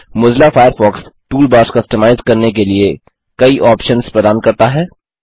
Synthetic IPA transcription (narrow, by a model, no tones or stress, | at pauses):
mʊzlafaːjəɾfɔːksʈuːlbaːɾskɐsʈəmaːɪzkɐɾnek̬elie | kɐiʔɔːpʃənspɾɛd̪aːnkɐɾt̪aɦɛː